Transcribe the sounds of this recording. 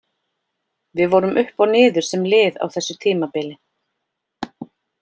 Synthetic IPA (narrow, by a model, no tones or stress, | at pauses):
vɪðvɔːɾʏmʔʏhpawnɪːðʏɾ̥sɛmlɪːða̰wθɛsːʏt̪ʰiːmapɪːlɪ